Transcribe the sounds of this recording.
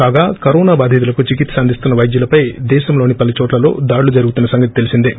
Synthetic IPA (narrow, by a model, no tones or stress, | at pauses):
kaːɡaːkɐɾɔːnaːbaːd̪ʱit̪̬ulɐkut͡ʃikit̪ːsɐnd̪ʱist̪unːɐʋɐjd̪julɐpɐjd̪ɛːʃɐmlo̞ːnipɐlit͡ʃɔːʈlɐlo̞̰ːd̪aːɽulud͡ʒɐɾuɡut̪unːɐsɐŋɡɐt̪i̥t̪e̞lisind̪e